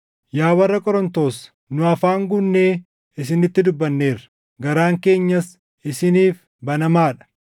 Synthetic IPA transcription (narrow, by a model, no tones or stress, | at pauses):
jaːwɐrːɐkʼɔɾɔnt̪o̞ːs | nʊɐfaːŋɡʊnːeː | ɪs̬ɪnɪt̪ːɪd̪ʊbːɐnːe̞ːrɐ | ɡɐɾaːŋke̞ːɲːɐs | ɪsɪniːf | bɐnɐmaːᶑɐ̥